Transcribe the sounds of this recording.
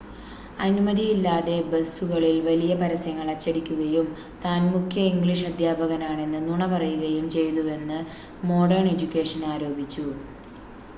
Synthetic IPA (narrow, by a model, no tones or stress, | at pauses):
ɐnumɐðijilːaːðe̞besuɣɐɭilʋɐlijɐpɐɾɐsɐŋːɐɭɐt͡ɕːɐɽikʲːuɣɐjum | t̪aːnmukʰjɐiŋɡɭiʂɐd̪ʱjaːbʱɐɣɐnaːɳe̞nːɨnuɳɐpɐrɐjuɣɐjumt͡ɕe̞jnue̞nːɨ | mo̞ːɖɐrɳe̞d͡ʑukʲːe̞ːʂɐnaːɾo̞ːbʱit͡ɕːu